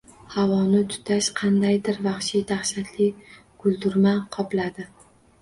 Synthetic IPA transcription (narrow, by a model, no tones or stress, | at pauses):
havɒnɪt̪ʰʊ̥t̪ʰaʃqʰɑnd̪ajd̪ɪɾvaχʃid̪aχʃat̪ʰlɪ | ɡ̥ʊlˠd̪ʊɾmaqʰɒplad̪ɪ